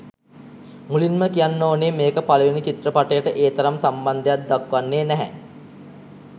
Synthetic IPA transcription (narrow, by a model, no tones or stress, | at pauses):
mulinməkijanːoːneːmeːkəpaləʋinit͡ʃit̪rəpaʈəjəʈəʔeːt̪ɐɾamsamband̪ejat̪̚d̪akʋanːeːnæɦæ̰